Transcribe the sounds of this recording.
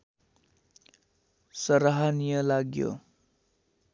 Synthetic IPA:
sʌɾaɦanijʌlaɡjo̰

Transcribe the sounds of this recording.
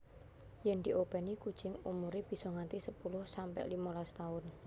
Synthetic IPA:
jɛnd̪iʔob̥ɛ̤nikud̥t͡ʃɪŋumuɾib̥i̤sɔŋant̪isəpulʊhsampɛ̰ʔlimɔlast̪aʊn

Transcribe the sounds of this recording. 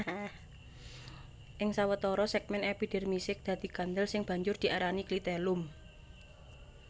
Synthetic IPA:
ʔɪŋsawət̪ɔɾɔsɛk̚mɛnɛpiɖ̥ɛ̤rmisɪk̚d̪̥a̤t̪iɡ̥and̪əlsɪŋb̥a̤ɲd͡ʒʊrd̪̥i̤aɾaniklit̪ɛlʊm

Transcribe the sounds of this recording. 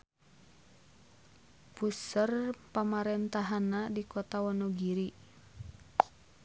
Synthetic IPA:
pusərpamaɾɛnt̪aɦanadikɔt̪awɔnoɡiɾi

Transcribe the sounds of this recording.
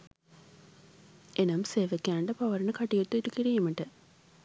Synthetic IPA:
enɐmseːʋɐkʲːaːɳɖɐpɐʋɐɾɐɳɐkɐʈːijot̪ːuiʈːukiɾijɐmɐʈːɐ

